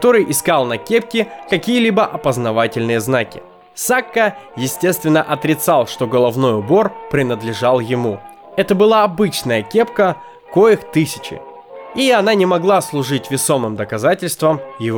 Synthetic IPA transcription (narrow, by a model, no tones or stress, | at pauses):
kɐt̪o̞ɾɨjʔɪskalˠnɐkʲe̞p̚kʲɪkɐkʲijəlʲibəʔɐpəznɐvatʲɪlʲnɨjəznakʲɪ̰ | sakːəjɪsʲtʲe̞st̪vʲɪnːəʔɐt̪ɾʲɪt̪salˠʂt̪o̞ɡəlˠɐvno̞jʊbo̞rpɾʲɪnəd̪lʲɪʐalˠjɪmu | ɛt̪əbɨlˠaɐbɨt͡ɕnəjəkʲe̞pkə | ko̞jɪxt̪ɨsʲɪ̥t͡ɕɪ̰ | iɐnanʲɪmɐɡlˠaslˠʊʐɨtʲvʲɪso̞mɨmd̪əkɐzatʲɪlʲst̪vəmjɪvo